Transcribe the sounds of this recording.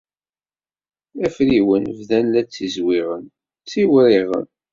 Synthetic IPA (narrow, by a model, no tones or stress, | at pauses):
æfɾiwənvðænlæt͡sːizwiʁən | t͡sːiwɾiʁə̰n